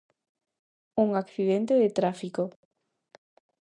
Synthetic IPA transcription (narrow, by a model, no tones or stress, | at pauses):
uŋakθiðent̪eðet̪ɾafiko